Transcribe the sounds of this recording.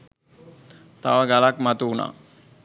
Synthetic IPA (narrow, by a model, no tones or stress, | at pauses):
t̪a̰ʋəɡalakmat̪uːna̰ː